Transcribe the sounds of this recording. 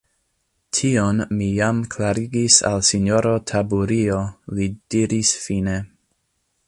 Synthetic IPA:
tʰionmijamkʰlaɾiɡisa̰lsinjo̞ɾotʰabuɾio̞lid̥iɾisfine̞

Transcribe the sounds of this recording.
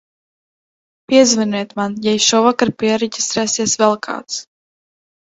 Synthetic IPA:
pʲiɛzvɨniɛt̪manjajʃuvakaɾpʲiɛɾɛɟʲi̥sɾɛːsiɛsvɛlˠkʰa̰ːt̪s

